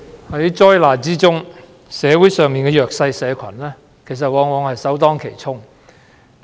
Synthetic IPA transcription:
hɐ˨˥jt͡ʃɔː˥jlaː˨˩t͡siː˥t͡sʊ˥ŋ | sɛː˨˧wuː˨˥jsœː˨ŋmiː˨nkɛː˧jœː˨k̚sɐ˧jsɛː˨˧kʷʰɐ˨˩nlɛː˥ | kʰe˨˩js̬ɐ˨t̚wɔː˨˧ŋwɔː˨˧ŋhɐ˨jsɐ˨˥wt̪ɔː˥ŋkʰe˨˩jt͡sʰʊ˥ŋ

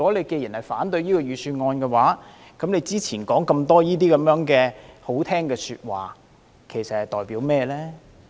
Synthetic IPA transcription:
y˨˩kɔː˨˥le˨˧jke˧ji˨˩nhɐ˨˩jfaː˨˥nt̪ɵ˧ɥjiː˥kɔː˧jyː˨syː˧nŋɔː˧nkɛː˧waː˨˥ | kɐ˨˥mnle˨˧jt͡siː˥t͡sʰiː˨˩nkɔː˨˥ŋkɐ˧mt̪ɔː˥jiː˥t̪iː˥kɐ˨˥mjœː˨˥ŋkɛː˧ho˨˥wt̪ʰɛː˥ŋkɛː˧syː˧t̚waː˨˩ | kʰe˨˩jsɐ˨t̚hɐ˨˩jt̪ɔː˨˩jpiː˨˥wmɛː˥lɛː˥

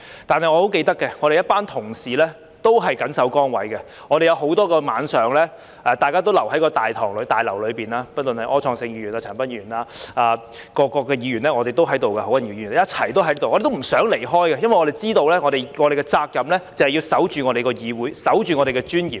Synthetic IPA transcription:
t̪aː˨nhɐ˨jŋɔ˧ho˨˥wke˧jt̪ɐ˥kːɛ˧ŋɔː˨˧ɾe˨jɐ˥t̚paː˥nt̪ʰʊ˨˩ŋsiː˨lɛː˥ | t̪o˥wɦɐ˨jkɐ˨˥nsɐ˨˥wkɔː˥ŋwɐ̰˨˥jkɛ˧ | ŋɔː˨˧ɾe˨jɐ˨˧wɦo˨˥wt̪ɔː˥kɔː˧ma̰ː˨˧nsœː˨ŋlɛː˥ | ʔɛ˨t̪aː˨jkaː˥t̪o˥wlɐ˨˩whɐ˨˥jkɔː˧t̪aː˨jt̪ʰɔː˨˩ŋlɵ˨˧˥t̪aː˨˩jlɐ˨˩wlɵ˨˧piː˨˩naː˧pɐ˥t̚lə˨nhɐ˨jʔɔː˥ɔː˧ŋsɪ˧ŋjiː˧jyː˨˩naː˧t͡ʃʰœː˨˩pɐ˥nji˧˨y˨˩naː˧aː˧ | kɔː˧kːɔː˧kɛː˧jiː˨˥ɥy˨˩nlɛ˥ŋɔː˨˧e˨jt̪o˥wɦɐ˨˥jt̪o˨wkɛ˧ho˨˥wɐ˨˩nji˧jiː˨˩n˨˥˦jɐ˥t͡sʰɐ˨˩jt̪o˥whɐ˨˦jlt̪o˨ɔː˨˧de˨t̪o˥m̩˨˩sœː˨˥ŋle˨˩jɦɔː˥jkɛ˧jɐ˥nwjɔ˨˧ɾe˨jt͡siː˥t̪o˧wlɛː˥ŋɔ˨˧d̪e˨jŋɔː˨˧ɾe˨jkɛ˧t͡saː˧k̚jɐ˨˧mlɛː˥t͡sɐ˨˩hɐ˨ji˧wsɐ˨˥wt͡ʃyː˨ŋɔː˨˧ɾe˨jkɔː˧jiː˨˧wuː˨˥jsɐ˨˥wt͡ʃyː˨ŋɔː˨˧ɾe˨˩kɛ˧t͡ʃyː˥njḭː˨p̚

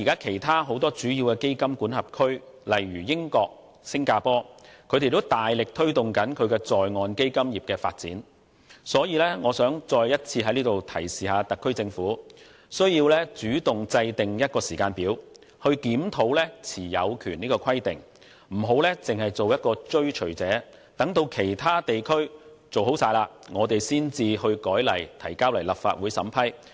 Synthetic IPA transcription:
iː˨˩kaː˥kʰe˨˩jt̪ʰaː˥ɦo˨˧˥wt̪ɔː˥t͡syː˨˥jiː˧wkɛː˧ke˥jkɐ˥mkuː˨˥nhɐ˨p̚kʰɵ˥ɥ | lɐ˨jɥyː˨˩jɪ˥ŋkɔː˧k̚ | sɪ˥ŋkaː˧pɔː˥kʰɵ˨˧t̪e˨jt̪o˥wt̪aː˨˩jlɪ˨k̚t̪ʰɵ˥ɥt̪ʊ˨˩ŋkɐ˨˥nkʰɵ˨˧ɥkɛː˧t͡sɔː˨jŋɔː˧nke˥jkɐ˥mjiː˨p̚kɛː˧fa̰ː˧t̚t͡siː˨˥n | sɔː˨˥jiː˨˧lɛː˥ŋɔː˨˧sœː˨˥ŋt͡sɔː˧jjɐ˥t̚t͡sʰiː˧ɐ˨˥jliː˥t̪o˨wt̪ʰɐ˨˩jsiː˨˩haː˨˧t̪ɐ˨kʰːɵ˥ɥt͡sɪ˧ŋfuː˨˥ | sɵ˥ɥjiː˧wlɛ˥t͡syː˨˥t̪ʊ˨ŋt͡sɐ˧jt̪ɪ˨ŋjɐ˥t̚kɔː˧siː˨˩kaː˧npiː˨˥w | hɵ˧ɥkiː˨˥mt̪ʰo˨˥wlɛː˥t͡sʰiː˨˩jɐ̰˨˧wkʰyː˨˩niː˥kɔː˧kʰɐ˥jt̪ɪ˨˩ŋ | m̩˨˩ɦo˨˥wlɛː˥t͡sɪ˨ŋhɐ˨jt͡so˨wjɐ˥t̚kɔː˧t͡ʃɵ˥ɥt͡ʃʰɵ˨˩ɥt͡sɛː˨˥ | t̪ɐ˨˥ŋt̪o˧wkʰe˨˩jt̪ʰaː˥t̪e˨jkʰɵ˥ɥ | t͡so˨wɦo˨˥wsaː˧jlaː˧ | ŋɔː˨˧t̪e˨jsiː˥nt͡siː˧hɵ˧ɥkɔː˨˥jlɐ̰˨˩jt̪ʰɐ˨˩jkaː˥wlɐ˨˩jlɐ˨pfa̰ː˧t̚wu˨˥jsɐ̰˨˥mpʰɐ˥j

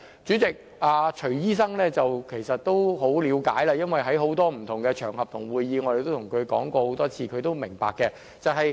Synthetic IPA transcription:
t͡sy˨˥t͡sɪ˨k̚ | aː˧t͡ʃʰɵ˨˩ɥjiː˥s̬ɐ˥ŋlɛː˥t͡sɐ˨wkʰe˨˩jsɐ˨t̚t̪o˥wɦo˨˥wliː˨˧wkaː˨˥jlaː˧jɐ˥nwɐ˨jɦɐ˨˥jɦo˨˥wt̪ɔː˥m̩˨˩t̪ʰʊ˨˩ŋkɛ˧t͡ʃʰœː˨˩ŋhɐ˨p̚t̪ʰʊ˨˩ŋwuː˨˧jːiː˨˧ŋɔ˧d̪e˨t̪o˥wt̪ʰʊ˨˩ŋkʰɵ˨˧kɔ̰ː˨˥ŋkɔː˧ho˨˧˥wt̪ɔː˥t͡sʰiː˧kʰɵ˨˧ɥt̪o˥wmɪ˨˩ŋpaː˨kːɛ˧ | t͡sɐ˨wɦɐ˨j

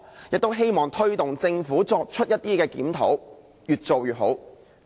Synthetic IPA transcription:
jɪ˨k̚t̪o˥wɦe˥jmɔː˨ŋt̪ʰɵ˥ɥt̪ʊ˨ŋt͡sɪ˧ŋfuː˨˥t͡sɔː˧k̚t͡ʃʰɵ˥t̚jɐ˥t̪̚ːiː˥kɛː˧kiː˨˥mt̪ʰo̰˨˥w | jyː˨t̚t͡so˨wjyː˨t̚ɦo˨˥w

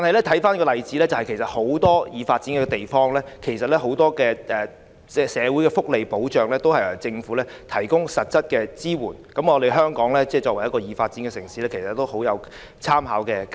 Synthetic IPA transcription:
t̪aː˨nhɐ˨jlɛː˥t̪ʰɐ˨˥jfaː˥nkɔ˧lɐ˨jt͡siː˨˥lɛ˥t͡sɐ˨hɐ˨jkʰe˨˩sɐ˨t̚ho˨˥wt̪ɔː˥jiː˨˧faː˧t̚t͡si˨˥nkɛː˧t̪e˨jfɔː˥ŋlɛː˥kʰe˨˩jsɐ˨t̚lɛ˥ɦo˨˥wt̪ɔː˥kɛː˧ʔɛː˨˩ | ɛ˨sɛː˨˧wu˨˥jkɛ˧fʊ˥k̚le˨jpo˨˥wt͡ʃœː˨ŋlɛː˥t̪o˥whɐ˨jɐ˨˩t͡sɪ˧ŋfuː˨˥lɛː˥t̪ʰɐ˨˩jkʊ˥ŋsɐ˨t̚sɐ˥t̚kɛː˧t͡siː˥wuː˨˩nkɐ˨˥mŋɔː˨˧t̪e˨jɦœː˥ŋkɔː˨˥ŋlɛː˥t͡sɛː˥˩t͡ʃɔː˧k̚wɐ˨˩jɐ˥tkɔː˧jiː˨faː˧t̚t͡si˨˥nkɛ˧sɪ˨˩ŋsiː˨˥lɛː˥kʰe˨˩sɐ˨˩t̪ːo˥who˨˥wjɐ˨˧w | t͡sʰaː˥mha̰ː˨˥wkɛː˧k

